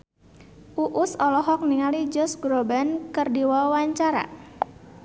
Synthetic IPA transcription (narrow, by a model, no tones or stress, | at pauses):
ʔuʔʊsɔlɔɦɔk̚niŋalid͡ʒɔsɡɾobankərdiwawaɲt͡ʃaɾa̰